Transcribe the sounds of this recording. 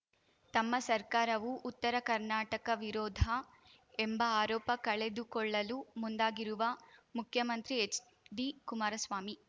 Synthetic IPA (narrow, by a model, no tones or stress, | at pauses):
t̪ɐmːɐsɐɾkaːɾɐʋuʔːt̪ːɐɾɐkɐɾnaːʈɐkɐʋiɾɔːd̪ʱɐ | embɐaːɾɔːpɐkɐɭed̪ukɔɭːɐlumund̪aːɡiɾuʋɐmukʰjɐmɐnt̪ɾiet͡ʃ | ɖikumaːɾɐsʋaːmi